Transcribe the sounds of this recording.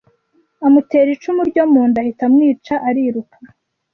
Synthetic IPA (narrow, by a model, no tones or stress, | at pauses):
amute̞ːɾit͡ʃumuɾɟomuːndahitamŋiːt͡ʃaʔaɾiɾukʰa